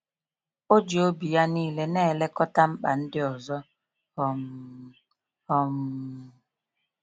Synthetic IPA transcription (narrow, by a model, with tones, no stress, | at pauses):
o˦d͡ʒi˨o˦bi˨ja˦niː˦˨le˨nɛː˦˨lɛ˦kɔ˦ta˦m̩˦ɓa˨n̩˦dɪ˦ɔ˨zɔ˦ | hɔ˨m | ɔ˨m˨